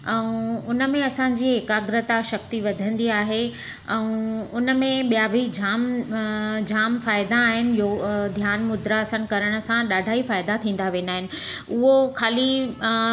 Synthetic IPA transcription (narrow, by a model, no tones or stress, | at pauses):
ɛũʊnə̆mẽɐsãɲ̆d͡ʑiːɦɪkaːɡɾət̪aʃɐk̚t̪iʋɐd̪ʱə̃nd̪iaːɦe | ɛ̃ũʊnə̆mẽɓijabʱid͡ʑʱaːm | d͡ʑaːmfaːɪd̪aːɦɪnɪ̆jod̪ʱjaːnmʊd̪ɾasənkɐɾəɽ̃ə̆sãɗaːɖʱaːifaːɪd̪at̪ʰĩːn̆d̪aʋẽːnaːɦɪnɪ̆ʊɦokʰaːli